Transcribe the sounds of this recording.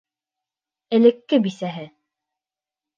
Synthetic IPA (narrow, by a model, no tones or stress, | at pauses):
ɘ̆lɘ̆kːɘbisæɦɘ